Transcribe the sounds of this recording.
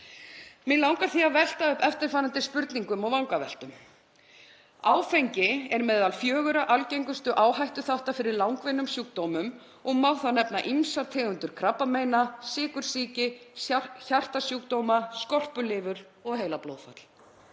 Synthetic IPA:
mɪlawŋkaθiavɛl̥t̪aʏhpɛft̪ɪɾ̥faːɾant̪ɪspʏɾt̪niŋkʏmɔɣvawŋkavɛl̥t̪ʏm | aːwfejɲcɪɛɾmɛðalfjœːɣʏɾaʔalcejŋkʏst̪ʏʔaːwɦajht̪ʏθawht̪afɪɾɪɾlawŋkvɪnːʏmsjuːk̚t̪owmʏm | ɔɣmawθanɛpnaʔimsaɾt̪ʰɛːɣʏnt̪ʏɾ̥kʰɾapːameːjnasɪːkʏɾ̥siːcɪ | çar̥t̪asjuːkt̪owmaskɔl̥pʏlɪːvʏɾ | ɔɣɦeːjlaplo̰ːwðfa̰t̪l̥

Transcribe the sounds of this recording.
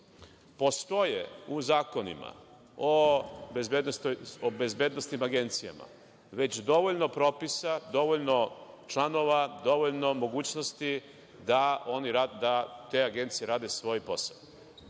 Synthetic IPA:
po̞st̪o̞jḛuzaːko̞nḭma̰ | obezbed̪nost̪ojobezbeːd̪nost̪nimaɡe̞nt̪sija̰ma̰ | ʋe̞t͡ɕd̪o̞ʋoʎno̞pɾo̞ːpisad̪o̞ʋoʎno̞ | t͡ʃlano̞ʋad̪o̞ʋoʎno̞mo̞ɡuːt͡ɕnost̪i | d̪ao̞niɾad̪at̪e̞aɡe̞nt̪sijeɾaːd̪esʋo̞jipo̞sa̰

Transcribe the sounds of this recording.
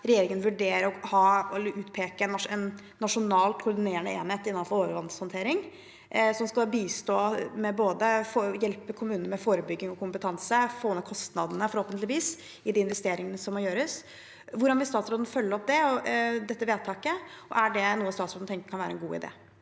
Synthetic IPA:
ɾɛjeːɾɪŋənʋʉɖeːɾəɔhɑɛlːəɾʉːt̪pʰeːkəɛnɛnː | ɑʂʊnɑːlt̪kʰʊɾɖ̪ɪneːɾɳəeːnheːt̪ɪnːɑnfɔɾoːʋəɾʋɑnd̪shɔnt̪ʰeːɾɪŋ | sɔmskɑbiːst̪oːmɛboːd̪əfojɛlpəkʰʊmʉːnəəmɛfoːɾəbʏɡːɪŋɔkʰʊmpət̪ʰɑnsəfoːmɛkʰɔst̪nɑd̪ənəfɔɾhoːpənt̪lɪʋiːs | ɪd̪ɪɪnʋɛst̪eːɾɪŋənəsɔmːɔɾjøːɾəs | ʋʊɖɑnʋɪlst̪ɑːt̪sɾoːd̪n̩fœlːəɾɔp̚d̪ɛɔd̪ɛt̪ːəʋeːd̪̚t̪ʰɑːkəɔ̰ʔæɖɛnuːəst̪ɑːt̪sɾod̪n̩t̪ʰɛŋkə̥kʰɑnʋæːɾəɛnɡuːɪ̰d̪ḛː

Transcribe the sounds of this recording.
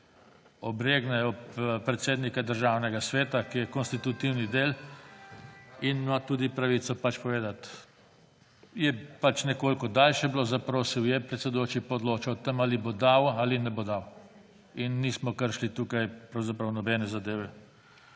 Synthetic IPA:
ɔbɾeːɡnɛjɔppɾɛt̪seːd̪nikad̪əɾʒawnɛɡasʋeːt̪akijɛkɔnst̪it̪ut̪iwnid̪eːl | inmat̪uːd̪ipɾaʋit̪sɔpat͡ʃpɔʋeːd̪at̪ | jɛpat͡ʃnɛkoːlkɔd̪aːlʃɛbloːzapɾoːsiwjɛpɾɛt̪sɛd̪ujoːt͡ʃipɔd̪loːt͡ʃawt̪əmalibod̪awalinɛbod̪aw | inːismɔkəɾʃlit̪uːkajpɾawzapɾɐwnɔbɛnɛzad̪eːʋɛ

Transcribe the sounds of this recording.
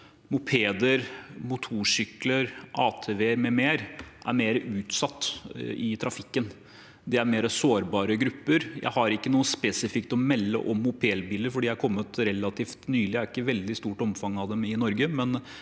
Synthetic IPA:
mʊpʰeːd̪əɾmʊt̪ʰuːʂʏkləɾʔɑːt̪ʰeːʋeːɾmɛmeːɾʔæ̰ɾmeːɾəʔʉːt̪sɑt̪ːɪt̪ʰɾɑfɪkːən | d̪ɛæɾmeːɾəsoːɾbɑːɾəɡɾʉpːəɾjæ̰ɪhɑɾɪkːənuːəspeːsɪfɪk̚t̪ɔmɛlːə̰ʔɔmːʊpʰeːlbiːləɾfɔɖiːææɾkʰɔmːət̪ɾɛlːɑt̪ʰiːft̪nyːlɪæɾɪkːəʋɛld̪ɪst̪uːʈɔmfɑŋːɑʋd̪ɛmɪnɔɾɡəmɛn

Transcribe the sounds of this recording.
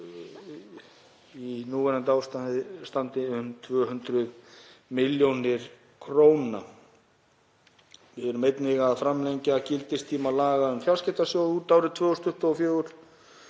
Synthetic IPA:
inuːvɛnant̪aːwst̪ast̪ant̪ɪʏmt̪ʰvœːɦʏnt̪ɾʏðmɪljownɪɾ̥ | kʰɾoːwnna̰ | vɪðɛɾʏmejt̪nɪɣaðfɾamlejɲcacɪlt̪ɪst̪ʰiːmalaːɣaʏmfjalscɪht̪asjowuːt̪aːwɾɪðt̪ʰvœːɣɔst̪ʏht̪ɔɔfjœːɣʏɾ̥

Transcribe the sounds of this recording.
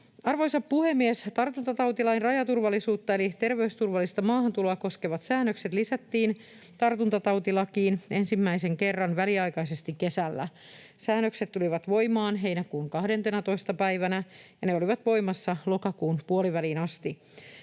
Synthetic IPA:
ɑrʋojsɑpːuhemːiest̪ɑrt̪unt̪ɑt̪ɑwt̪ilɑinrɑjɑt̪urʋɑlːˑisuːt̪ːɑe̞lit̪e̞rʋeyst̪urʋɑlːist̪ɑmɑːɦɑnt̪uloɑko̞skeʋɑt̪sæːnːøkset̪lisæt̪ːiːn | t̪ɑrt̪unt̪ɑt̪ɑwt̪ilɑkiːne̞nsimːæiseŋkerːɑnʋæliɑjkɑisest̪ikkesælːæ̰ | sæːnːøkset̪tːuliʋɑt̪ʋo̞imɑːnɦe̞inækuːŋkɑhde̞nt̪enæt̪o̞ist̪ɑpæiʋænæjɑneo̞liʋɑt̪ʋo̞jmɑsːɑlo̞kɑkuːnpuoliʋælinɑst̪i

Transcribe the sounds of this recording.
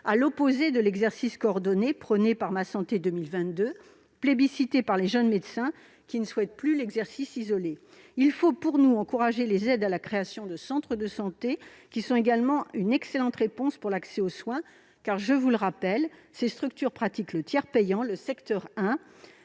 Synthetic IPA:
alɔpozed̪əlɛɡzɛʁsiskɔːʁd̪ɔnepχənepaʁmasɑ̃t̪ed̪ømilvɛ̃t̪̚d̪ø | plebisit̪epaʁleʒənmed̪sɛ̃ | kʲinəswɛt̪̚plylɛɡzɛʁsisizɔle | ilfopuʁnuɑ̃kuʁaʒelezɛd̪alakχeasjɔ̃d̪əsɑ̃t̪χəd̪əsɑ̃t̪ekʲisɔ̃eɡalmɑ̃ynɛkselɑ̃t̪ʁepɔ̃spuʁlaksɛoswɛ̃ | kaʁʒəvuləʁapɛlsest̪χykt̪yʁpχat̪iklət̪jɛʁpɛjɑ̃ləsɛkt̪œʁɛ̃

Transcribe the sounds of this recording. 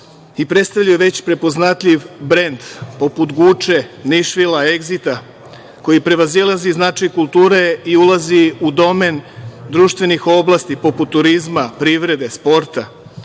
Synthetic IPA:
ipɾet̪st̪aʋʎujeʋe̞t͡ɕpɾe̞po̞znat̪ʎiʋbɾe̞nd̪po̞put̪ɡuːt͡ʃeniʃʋilae̞ɡzit̪a | ko̞jipɾe̞ʋazilˠaziznat͡ʃajkulˠt̪uːɾe̞iulˠaziud̪o̞mend̪ɾuːʃt̪ʋe̞nixo̞blˠast̪ipo̞put̪ːuɾizmapɾiʋɾe̞d̪e̞spo̞ɾt̪a

